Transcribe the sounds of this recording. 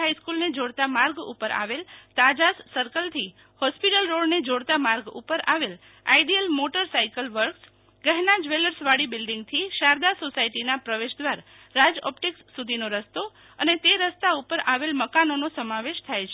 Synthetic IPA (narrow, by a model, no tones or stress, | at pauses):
ɦaiskulned͡ʒoɽt̪amaɾɡṵpəɾʔa̰ʋelt̪ad͡ʒasːəɾkəlt̪ʰi | hɔspiʈəlɾoɽned͡ʒoɽt̪amaɾɡṵpəɾa̰ʋel | a̰iɖiəlmoʈəɾsaikəlʋəɾks | ɡəɦnad͡ʒʋeləɾsʋaɽibɪlɖiŋɡ̚t̪ʰiʃaɾd̪asosaiʈinapɾəʋeʃd̪ʋaɾ | ɾad͡ʒɔ̰pʈiksːud̪ʱinoɾəst̪o | ənet̪eɾəst̪aupəɾaʋelməkanonosəmaʋeʃt̪ʰajt͡ʃʰe